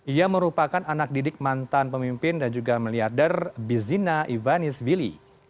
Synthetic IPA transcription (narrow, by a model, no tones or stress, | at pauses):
ʔiaməɾupakananak̚didɪk̚mant̪anpəmimpɪndand͡ʒuɡamiliardərbizinaʔivanɪsvilḭ